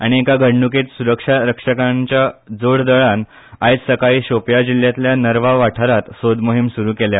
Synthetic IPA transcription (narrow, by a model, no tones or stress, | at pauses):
aɽ̃iekaɡʱəɽɳuket̪suɾəkʂaɾəkʂəkãɲt͡ɕjad͡zoɽd̪əɭan | ajt͡ssəkaiːɕopjad͡ʑiljat̪ljanəɾʋaʋaʈʰəɾat̪sod̪moɦimsuɾuːkelja